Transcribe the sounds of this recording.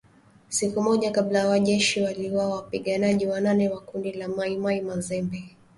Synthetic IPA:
sikumɔʄakablajawaʄɛʃiwaliwawapiɠanaʄiwananɛwakundilamaimaimazɛmbɛ

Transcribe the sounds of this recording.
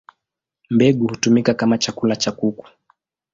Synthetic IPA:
mbɛɠuhutumikakamat͡ʃakulat͡ʃakuku̥

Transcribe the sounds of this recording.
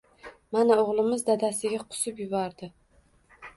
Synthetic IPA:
manaoʁlˠɪmɪzd̪ad̪asɪɡʲaqʰʊ̥sʊpjʊbɒɾd̪ɪ

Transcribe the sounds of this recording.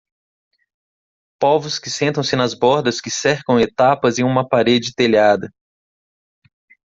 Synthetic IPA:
pɔvʊskɪsẽnt̪ɐ̃w̃sɪnɐzbɔɾd̪ɐskɪsɛɾkɐ̃w̃et̪apɐzẽj̃ũmɐpaɾed͡ʒɪt̪eʎad̪ɐ

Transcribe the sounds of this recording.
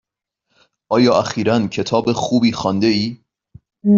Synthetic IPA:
ʔɒːjɒːʔæxiːɾæncʰe̞t̪ʰɒːbexuːbiːxɒːnd̪eiː

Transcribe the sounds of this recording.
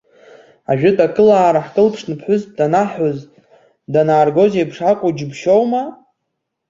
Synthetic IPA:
a̰ʒᶣɪtʼakʼɨlaːɾaħkʼɨlpʰʂnɨpʰħʷʊzdanaħoz | danaːrɡo̞zejpʰʂakʷʼʊd͡ʒɪbʃowma

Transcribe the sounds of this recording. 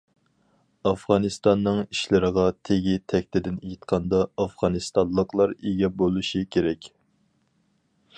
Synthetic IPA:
ɑfʁɑnɨst̪ɑnːɨŋiʃlɪɾəʁɑt̪ʰeɡʲit̪ʰɛkʲt̪ʰɪd̪ɪnejit̪qʰɑnd̪ɑɑfʁɑnɨst̪ɑlˠːəqlˠɑɾeɡʲɛbolˠuʃikʲʰeɾɛkʲ

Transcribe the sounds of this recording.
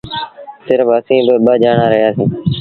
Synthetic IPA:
sɪɾʋəsĩːbɪɓəd͡ʒaːɳaːɾəɦjaːsĩː

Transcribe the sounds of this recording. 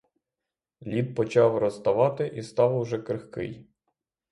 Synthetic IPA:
lʲid̪̚pɔt͡ʃɑwrɔst̪ɐʋɑt̪ɪʔist̪ɑwʊʒɛkɾɪxkɪ̰j

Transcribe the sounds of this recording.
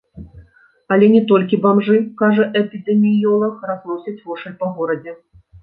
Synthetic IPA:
ɐlʲɛnʲɛt̪ɔlʲkʲibamʐɨkaʐɐʔɛpʲid̪ɛmʲijɔlˠɐxraznˠɔsʲɐt͡sʲvɔʂɛlʲpɐɣɔɾɐd͡zʲɛ

